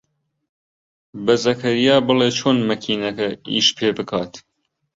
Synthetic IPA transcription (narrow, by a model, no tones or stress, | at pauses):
bɐzɐkʰɐɾijaːbɨleːt͡ʃʰoːnmɐkʰiːnɐkɐḭːʃpʰeːbɨkʰaːt̪